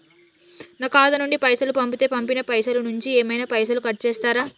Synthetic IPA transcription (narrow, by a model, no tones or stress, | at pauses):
nɐkaːd̪ɐnuɳɖipɐjsɐlupɐmpit̪e̞ːpɐmpinɐpɐjsɐlɐnuɲt͡ʃieːmɐjnaːpɐjsɐlukɐʈ̚t͡ʃɛːst̪aːɾaː